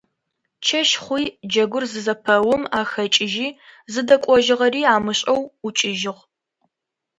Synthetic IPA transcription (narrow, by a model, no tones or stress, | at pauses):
t͡ʃʰɐʃχʷiːd͡ʒɐɡʷʊrzɨzɐpʰɐwʊmaːxɐt͡ʃʼɪʒiːzɨdɐkʷʼɔʒɪʁɐriːaːmɨɕʼɐwʊt͡ʃʼɪʒɪʁ